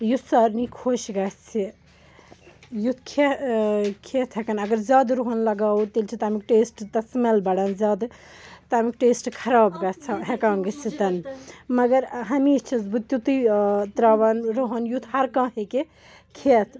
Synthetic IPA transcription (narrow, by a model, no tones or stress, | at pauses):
jusɐɾnikʰoːʃɡɐt͡sʰi | jut̪ʰkʰe | kʰet̪ʰɦekɐnɐɡɐɾzaːd̪ɾoɦənlɐɡaːwt̪elt͡ʃʰit̪ɐamik̚ʈeːsʈt̪ɐsmelbɐɽɐnzaːd̪t̪ɐɦamikʈeːsʈkʰɐɾaːbɡɐt͡sʰɐɦekãːŋɡit͡sʰit̪ɐnmɐɡɐɾɦɐmiːst͡ʃʰizbut̪jut̪ɨt̪ɾaʋɐnɾoɦɐnjut̪ʰhɐɾkãɦeke | kʰeːt̪ʰ